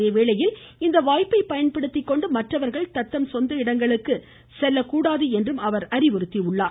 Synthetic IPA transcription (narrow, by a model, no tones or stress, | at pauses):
eʋeːɭɐjɪl | ɪnd̪ɐʋaːjpɐɪpɐjɐnpɐɽɯt̪ːɪkːɔɳɖɯmɐʈrɐʋɐɾɣɐɭt̪ɐt̪ːɐmsɔnd̪ɐɪɽɐŋɡɐɭɯkːɯ | sɛlːɐkːuːɽaːðɯɛndrɯmɐʋɐɾɐɾɪʋɔɾɯt̪ːiʊɭːaːɾ